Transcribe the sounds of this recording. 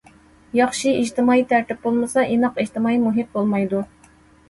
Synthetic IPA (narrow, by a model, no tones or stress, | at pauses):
jɑχʃiid͡ʒt̪ɪmɑːit̪ʰæɾt̪ɪp̚bolˠmɨsɑʔinɑqiʒt̪ɪmɑːimuɦɪp̚bolˠmɑjd̪u